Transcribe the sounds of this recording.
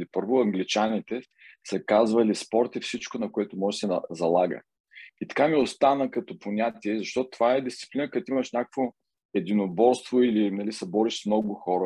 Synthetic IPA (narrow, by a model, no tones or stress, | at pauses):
lipɤɾvʊɐŋɡlit͡ʃanit̪ɛ | səkazvəlispɔɾt̪ifsit͡ʃkonɐkoɛt̪ʊmɔʒɛsɛzɐlˠaɡə̰ | it̪ɐ̥kamiost̪anəkɐt̪ɔponʲat̪iɛzɐʃt̪ɔt̪ʊt̪ovaɛd̪ist̪si̥plinəkɐt̪imɐʃnʲakəkvo | ɛd̪inobɔɾst̪voilinɐlisɛbɔɾiʃsmnɔɡʊxɔɾə